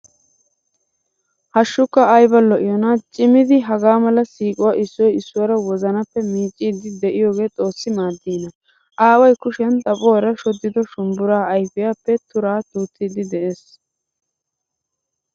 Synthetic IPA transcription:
hɐʃːʊkːɐɐjbɐlɔʔɪjɔnat͡ʃʼɪmɪd̪ɪɦɐɡaːmɐlɐsiːkʼʊwaːʔɪsːɔjɪsːʊwɐɾɐwɔzɐnɐpːɛmiːt͡ʃʼːiːd̪ɪd̪ɛʔɪjoːɡe̞ːt͡s̪ʼo̞ːsːɪmaːd̪ːiːnɐ | ʔaːwɐjkʊʃɛnt̪ʼɐpʼɔwɾɐʃɔd̪ːɪd̪ɔʃʊmbʊɾaːɐjfɪjaːpːɛt̪ʊɾaːt̪uːt̪ʰːɪd̪ɪd̪ɛʔe̞ːs

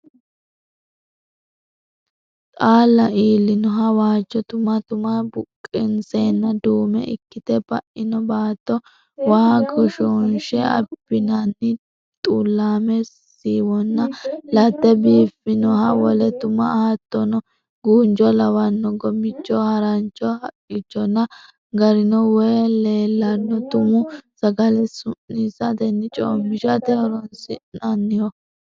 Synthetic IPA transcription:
tʼaːlːɐʔiːlːɪnɔɦɐwaːd͡ʒːɔt̪ʊmɐt̪ʊmɐbʊkʼːɪnt͡seːnːɐd̪uːmɛ̰ʔɪ̰kːɪt̪ɛbɐʔɪnɔbaːt̪ːɔ | waːɡɔʃɔnʃɛɐ̰bːɪnɐnːɪ | t̪ʼuːlːaːmɛ | iːwɔnːɐlɐt̪ːɛbiːfɪnɔhɐwɔlɛt̪ʊmɐ̰hɐt̪ːɔnɔ | ɡuːnd͡ʒɔlɐwɐnːɔɡɔmɪt͡ʃːɔhɐɾɐnt͡ʃːɔhɐkʼːɪt͡ʃːɔnːɐ | ɡɐɾɪnɔwɔjleːlːɐnːɔt̪ʊmʊsɐɡɐlɛsʊnːisɐd̪ɛnːɪt͡ʃʼoːmːɪʃɐt̪ɛɔɾɔnsɪnɐnːɪjɔ

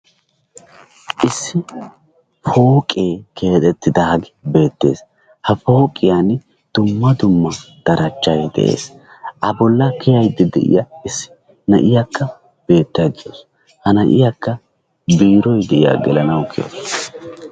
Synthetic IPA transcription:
ʔɪsːɪ | fo̞ːkʼeːkʰe̞ːt̪ʼɛt̪ːɪd̪ɐɐɡɪbe̞ːt̪ːe̞̰ːs | hɐfo̞ːkʼːɪjan | d̪̥ʊmːɐd̪ʊmːɐ | d̪̥ɐɾɐt͡ʃːɐjd̪ɛ̰ʔe̞̰ːs | ʔɐbɔlːɐkʰɛjɐjd̪ɪd̪ɛ̰ʔɪ̰jɐɪsːɪ̥ | nɐ̰ʔɪjɐkʰːɐ | b̥e̞ːt̪ːɐjd̪ɪos | hɐnɐʔɪjakːɐ | biːɾɔjd̪ɛʔɪja̰ɡɛlɐnɐwkʰɪjo̰ːs

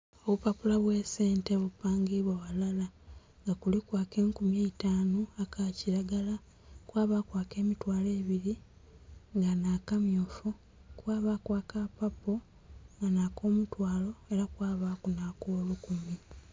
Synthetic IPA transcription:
oβupapulaβwese̞ːnteβupaːŋɡiβwaβalala | ŋɡakulikwaːke̞ːŋkumjeitaːnoakʰaciɾaɡala | kwaːβaːkwaːke̞ːmitwaːle̞ːβiɾi | ŋɡanakamjoːfu | kwaːβakwaːkapapo | ŋɡanaːko̞ːmutwaːlo̞e̞ɾakwaːβakunakoːlukumi

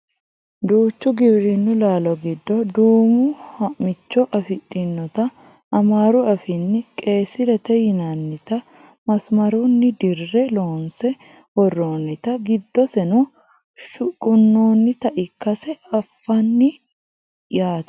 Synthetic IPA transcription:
d̪uːt͡ʃːʊɡɪbɾɪnːʊlaːlɔɡɪd̪ːɔd̪uːmʊhɐmɪt͡ʃːɔʔɐfɪᶑɪnːɔt̪ɐː | maːɾʊɐfɪnːɪkʼe̞ːsɪɾɛt̪ɛjɪnanːɪt̪ɐ | mɐsmɐɾunːɪd̪ɪrːɛlo̞ːnsɛ | wɔrːoːnːɪt̪ɐɡɪd̪ːɔsɛnʊ | ʃʊkʼʊnːoːnːɪt̪ɐʔɪkːɐsɛɐfːɐnːɪ | jaːt̪

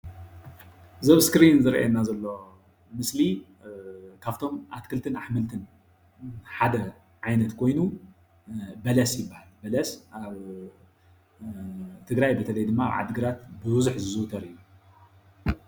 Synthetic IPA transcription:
zɐβskɾinzɨɾʔa̰enːazɐlːo̞ | mɨsli | kʰaft̪ʰo̞mʔat̪kʰɨlt̪ʰɨnaħmɨlt̪ʰɨn | ħad̪ɐ | ʕajnɐt̪kʰo̞jnu | bɐlɐsjɪbːahalbɐlɐsaβ | t̪ʰɨɡɾajbɐt̪ʰɐlɐjd̪ɨmːaa̰βʕa̰d̪ɨɡɨɾat̪bɨwuzuħzɨzɨwt̪ʰɐɾɨjːu

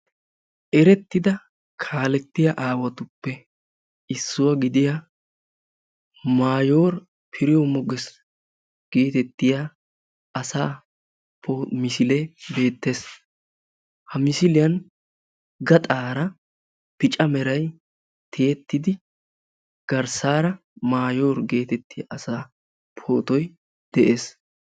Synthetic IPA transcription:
ʔɛɾɛt̪ːɪd̪ɐ | kʰaːlɛt̪ːɪjaʔaːwɐt̪ʊpːɛ | ɪsːʊwɐɡɪd̪ɪja | maːjoːɾ | pʰɪɾɪjɔmɔɡɛs | ɡ̥eːt̪ɛt̪ːɪja | ʔɐsaː | pʰomɪsɪlɛbe̞ːt̪ːe̞ːs | hɐmɪsɪlɪjɐn | ɡɐt̪ʼaːɾɐ | pɪt͡ʃʼɐmɛɾɐj | t̪ʰɪjɛt̪ːɪd̪ɪ | ɡ̥ɐɾsaːɾɐ | maːjo̞ːɾɡe̞ːt̪ɛt̪ːɪja̰ʔɐsaː | pʰoːt̪ɔj | d̪̥ɛʔe̞ːs

